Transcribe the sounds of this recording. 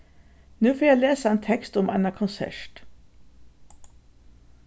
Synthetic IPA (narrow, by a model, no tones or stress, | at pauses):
nʉːfoːjæɪleːsəeːnt̪ʰɛkst̪ʊmʔɛ̰nəkʰʊnsæ̰ʃʈ